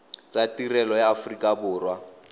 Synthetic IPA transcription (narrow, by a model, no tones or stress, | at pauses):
t͡sʼatirɛlɔjaːfrikʼabʊːrwa